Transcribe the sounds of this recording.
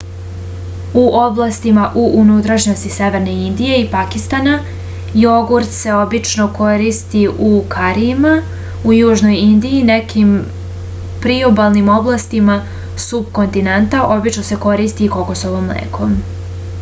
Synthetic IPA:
uʔo̞blˠast̪imaʔuʔunut̪ɾaʃɲo̞st̪ise̞ʋe̞ɾne̞ind̪ije̞ipakist̪ana | joɡuɾt̪se̞o̞bit͡ʃno̞ko̞ɾiːst̪iʔukʰaɾima | ujuːʒno̞jind̪ijine̞kʰim | pɾiobalˠnimo̞blˠast̪ima | sub̚ko̞nt̪inant̪aʔo̞bit͡ʃno̞se̞ko̞ɾiːst̪ikokosoʋomlḛːkʰo̞m

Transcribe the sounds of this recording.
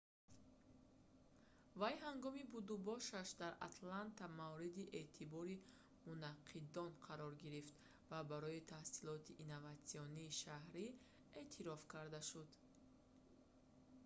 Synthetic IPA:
vajɦaŋɡɔmibud̪ubɔʃaʃd̪aɾa̰t̪lant̪amavɾid̪iʔe̞t̪ʰibɔɾi | munaqʰːid̪ɔnqʰaɾɔɾɡiɾift̪ | vabaɾɔit̪ʰahsilɔt̪ʰiʔːnavat̪siɔniːʃahɾi | e̞ːt̪ʰiɾɔfkaɾd̪aʃud̪

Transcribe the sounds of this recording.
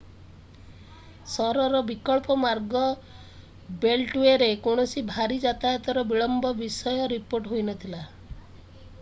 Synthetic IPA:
sɔɾɔɾɔbikɔɭpɔmaɾɡɔ | belʈweɾekoɽ̃ɔsibʱaɾid͡ʒat̪ajɔt̪ɔɾɔbiɭɔmbɔbisɔjɔɾipoɾʈɦojnɔt̪ʰila

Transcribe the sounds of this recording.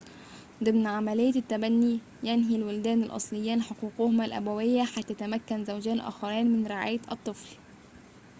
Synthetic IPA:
d̪ˤɨmnʕamælejːæt̪ːæbænːi | jænɦilbʊld̪æːnælʔɑ̰sˤlɪjːiːnħoquːqohʊmælʔæ̰bæwɪjːæħajt̪ːæjæt̪æmækːænzæwd͡ʒæːnʔæ̰ːxɑɾiːnmɪnɾɪʕa̰ːjʔɑ̰t̪ˤːɨfl

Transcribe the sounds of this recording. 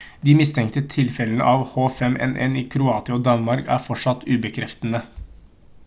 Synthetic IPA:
d̪iːmɪst̪ʰɛŋkt̪ət̪ʰɪlfɛlənə̰ʔɑːʋhoːfɛmɛ̰nʔɛ̰niːkʰɾʊɑːt̪ɪoːd̪ɑnmɑɾkæ̰ːɾfɔʂɑt̪ːʉːbəkʰɾɛft̪ənə

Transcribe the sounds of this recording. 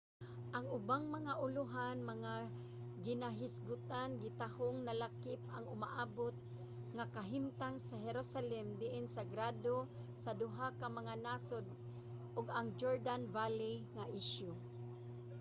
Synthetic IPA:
ʔaŋʊbaŋmɐŋaʔʊlʊɦanmɐŋa | ɡɪnaɦɪsɡʊt̪anɡɪt̪ahoŋnalakɪp̚aŋʊmaʔaːbot̪̚ | ŋakaɦɪmt̪aŋsaɦɛɾosalɛmd̪ɪʔɪnsaɡɾad̪o | sad̪ʊɦakamaŋanasod̪̚ | ʔʊɡaŋd͡ʒoɹd̪anvaliŋaʔɪʃjʊ

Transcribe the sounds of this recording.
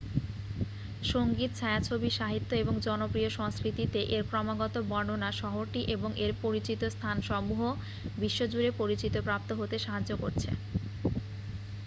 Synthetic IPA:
ʃoŋɡit̪t͡ɕʰaeat͡ɕʰobiʃaɦit̪ːoeboŋd͡ʑɔnopɾioʃɔŋskɾit̪it̪eʔeɾpɾɔmaɡɔt̪obɔnonaʃɔɦoɾʈiʔeboŋʔeɾpoɾit͡ɕit̪ost̪ʰanʃɔmuɦo | biʃːod͡ʑuɾepoɾit͡ɕit̪opɾap̚t̪oɦot̪eʃaɦad͡ʑoko̰ɾt͡ɕʰḛ

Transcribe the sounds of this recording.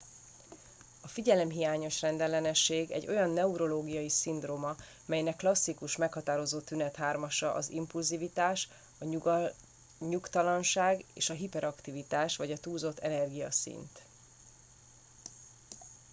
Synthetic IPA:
ɒfiɟɛlɛmɦijaːɲo̞ʃrɛnd̪ɛlːɛnɛʃːeːɡɛ̰ɟːo̞jɒnːɛuɾo̞loːɡijɒjisind̪roːmɒ | mɛjnɛkːlɒsːikuʃmɛkhɒt̪aːɾo̞zoːt̪ynɛt̪ɦaːrmɒʃɒʔɒzḭmpulzivit̪aːʃ | ɒ | ɲukt̪ɒlɒnʃaːɡḛːʃɒɦipɛɾɒkt̪ivit̪aːʃʋɒɟɒt̪uːlzo̞t̪ːɛnɛrɡijɒ̰sḭnt̪

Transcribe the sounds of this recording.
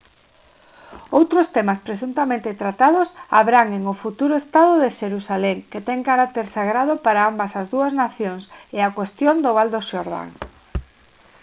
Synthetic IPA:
owt̪ɾost̪ɛmaspɾes̬unt̪amẽnt̪et̪ɾat̪aðʊsa̰βɾaŋeŋʊfut̪uɾʊest̪að̞oðeʃeɾusalɛŋket̪ɛŋkaɾak̚t̪eɾsaɣɾaðʊpaɾaambasazðuaznaθjoŋseakwest̪jond̪oβald̪oʃoɾða̰ŋ

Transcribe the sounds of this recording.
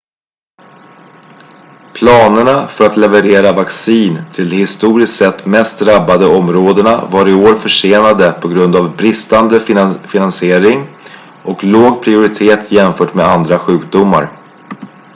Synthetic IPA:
pʰlɑːnəɳafœɾat̪lɛvəɾeːɾavaksiːnt̪ʰɪld̪ɛhɪst̪uːɾɪsk̪sɛt̪ːmɛst̪̚d̪ɾabːad̪əɔmɾoːd̪əɳa̰vaɾɪoːɾfœʂeːnad̪əpʰɔɡɾɵnd̪avbɾɪst̪and̪əfɪnansɪeːɾɪŋ | ʔɔkloːɡpʰɾɪʊɾɪt̪ʰeːt̪ʰjɛmfœːʈmɛːd̪and̪ɾaɧʉ̟ːk̚d̪ʊmːa̰ɾ

